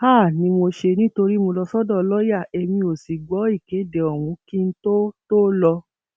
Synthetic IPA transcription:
ha˦˨nĩ˧mo˧ʃe˧nĩ˦to˧ɾi˦mo˧lɔ˧sɔ˦dɔ̃˦˨˦lɔ˦ja˦˨e˨mĩ˧o˨si˨ɡ͡bɔ˨˦i˦˨ke˨˦de˨ɔ˨w̃ũ˨˧˦ki˦n̩˦to˦to˦lɔ˧

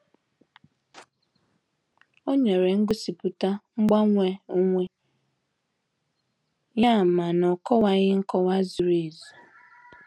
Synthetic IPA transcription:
o˦ɲe˨ɾe˨ŋ̩˦ɡʊ˦si˨pu˨ta˦ŋ͡m̩˦ɡ͡ba˦ŋʷe˦o˦ŋʷe˦ | ɲ˦a˦˨ma˨nɔ˨kɔ˦wa˨ɣɪ˦ŋ̩˦kɔ˦wa˦zu˨ɾe˦˨zu˨

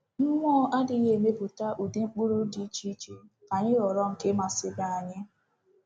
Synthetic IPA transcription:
ŋ̩˦ŋʷɔ˦ʔa˦dɪ˨˦ɣe˦˨me˦bu˨ta˦ʔu˨de˦ŋ͡m̩˦k͡pu˦ɾu˦di˦i˦t͡ʃi˦t͡ʃi˦ | ka˨ɲɪ˦ɾɔ˨ɾɔ˦ŋ̩˨ke˦ma˨sɪ˦ba˦a˨ɲɪ˦

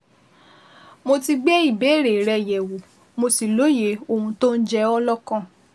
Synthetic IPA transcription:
mo˧ti˧ɡ͡bɛ˦i˦˨be˨˦˨ɾe˨ɾɛ˧jɛ˨wo˨ | mo˧si˨lo˨˦je˨˦o˦˨hũ˧to˦n̩˦d͡ʒɛ˦˧ɔ˦lɔ˦kã˦˨

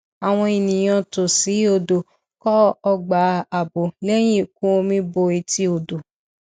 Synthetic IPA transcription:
a˨w̃ɔ̃˧i˨nĩ˨j̃ã˧to˨si˨˦o˦˧˨do˨ | kɔ˦ɔ˧ɡ͡ba˨˦a˨bo˨lɛ˦j̃ĩ˦˨k̚ũ˦o˧mĩ˧˦bo˧i˧ti˦o˨do˨

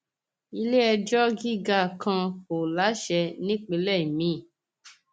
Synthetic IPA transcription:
i˧le˦ɛ˧d͡ʒɔ˦ɡi˦˨ɡa˦˨kʰã˧ko˨la˨˦ʃɛ˧nĩ˦k͡pe˨˧lɛ˦˨i˨mĩ˨˦˨

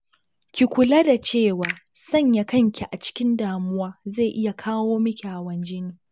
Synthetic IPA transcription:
kʲi˨kʷʊ˨la˦da˨t͡ʃeː˦˨waː˨sɐ˦˨ɲja˦kɐ˦ŋkʲi˨ʔa˨t͡ʃɪ̥˦kʲɪ˦ndaː˨mʊ˦waː˦ze˦˨jʔɪ˦ja˨kʰaː˦woː˦mɪ˦kʲa˨wɐ˦nd͡ʒɪ˦niː˨

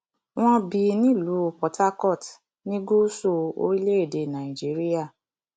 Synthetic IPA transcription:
w̃ɔ̃˧bi˧nĩ˦˨lu˨˦˨pɔ˨˦tʰa˦kɔ˦˨t | nĩ˦ɡo˦so˦˨o̰˧ɾi˦le˦e˦˨de˨nã˨ĩ˨d͡ʒi˨˦ɾi˦ja˦˨

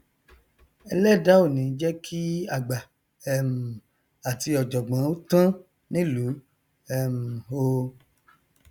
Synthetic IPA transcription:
ɛ̰˧lɛ˦˨da˦o˦˨nĩ˨˦d͡ʒɛ˦kʰi˦a˦˨ɡ͡ba˨ | ɛ˦m̩˨ | a˨ti˧ɔ˨d͡ʒɔ˨ɡ͡bã˨˦o˦tã˦ | nĩ˦lu˨˦ | ɛ˦˨m̩˨o˧

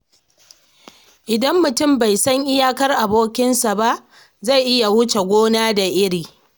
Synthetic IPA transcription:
ʔɪ˨dɐ˦mːʊ˨tʊ˦˨mba˨jsɐ˦ŋʔɪ˦jaː˦kɐ˦rʔa˨boː˦kʲɪ˦nsa˨ba˦ʔ | za˦˨jʔɪ˦ja˨wʊ˦t͡ʃe˨ɡʷoː˦naː˦da˨ʔɪ˦ɽiː˨

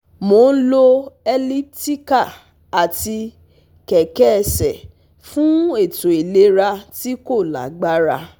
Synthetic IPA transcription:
mo˨˦lo˦ɛ˧li˦ti˦ka˦˨ | a˨ti˧ | kɛ˨kɛ˦˨sɛ˨ | fũ˦e˦˨to˨i˨le˧˦ɾa˧ti˦ko˦˨la̰˨ɡ͡ba˦ɾa˧

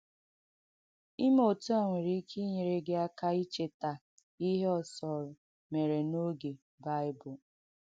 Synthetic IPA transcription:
i˦m˦o˨tu˦a˨ŋʷe˨ɾi˦kʰi˦ɲe˨ɾe˦ɡe˦a˦ka˦i˦t͡ʃe˨ta˨ | i˦ɦe˦ɔ˨sɔ˨ɾʊ˨ | me˨ɾe˨no˦ɡe˨ | ba˦ɪ˦bʊ˨

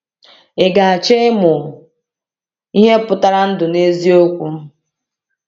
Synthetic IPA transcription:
e˨ɡa˨a˨t͡ʃe˦mʊ˨ | i˦ɦe˦pʊ˨ta˦ɾa˦n̩˦dʊ˨ne˦zi˦o˦kʷu˦

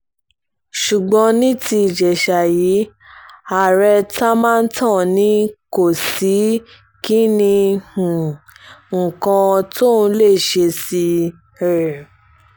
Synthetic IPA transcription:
ʃu˨ɡ͡bɔ̃˧˦nĩ˦ti˧i˨d͡ʒɛ˨ʃa˨ji˨˦ | a˨ɾɛ˧ta˦mãː˦˧n̩˦tʰã˦˨nĩ˨˦ko˦˨si˨˦ | ki˦nĩ˧hũ˨ | ŋ̩˨kã˧to˦˨n̩˧˦le˦˨ʃe˧si˧˨ | ɾɛ˨

